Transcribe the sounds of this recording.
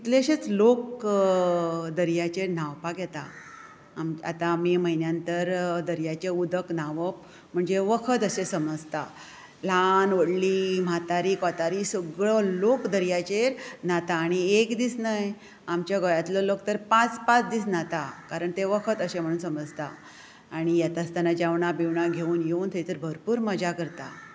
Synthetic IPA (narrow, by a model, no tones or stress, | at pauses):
it̪leəɕet͡slok | d̪əɾjat͡ɕeɾn̤awpakjɛt̪a̰ː | ma̰t̪amiməɦinjãnt̪əɾd̪əɾjat͡ɕeud̪əknaʋəp | m̤əɳd͡zeʋəkʰət̪əɕesəməd͡zt̪a | lanʋəɽlim̤at̪aɾiːkɔt̪aɾisəɡɭəlokd̪əɾjat͡ɕeɾnat̪aːɽ̃iekd̪iːsnaj | amt͡ɕjaɡɔjat̪ləlok̚t̪əɾpãt͡spat͡sd̪iːsnat̪akaɾəɳt̪eʋəkʰət̪əɕẽm̤əɽuːnsəməd͡zt̪a̰ː | ɽ̃ijat̪ast̪anad͡ʑaʋɳabiʋɳaɡʱeuːnjeuːnt̪ʰejt̪əɾbʱəɾpuːɾməd͡ʑakəɾt̪a̰